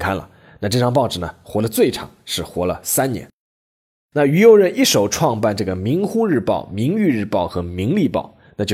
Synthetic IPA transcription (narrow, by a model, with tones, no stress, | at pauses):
kʰa˥nlə̰˩ | na˥˧ʈ͡ʂɤ˥˧˩ʈ͡ʂʰɑ˥˧ŋp̬ɑ˥˩ʊʈ͡ʂɻ̩˨˩nə˩xwɔ˧˥lə˧t͡swe˥˩ɪʈ͡ʂʰɑ̰˨˩˦ŋʂɻ̩˥˩xwɔ˧˥lə̰˧sa˥nnjɛ̰˧˥n | na˥˩y˧˩jo˧˥ʊɻə˧˥ni˥˩ʂo˨˩ʊʈ͡ʂʰwɑ˥˧ŋpa˥˧nʈ͡ʂɤ˥˩ɡə˩mi˧˥ŋxu˥ɻɻ̩˥˧pɑ̰˥˩ʊmi˧˥ŋy˥˧ɻ̩˥˧pɑ˥˩ʊxɤ˧˥mi˧˥ŋli˥˧pɑ̰˥˩ʊ | na˥t͡ɕo˥˧˩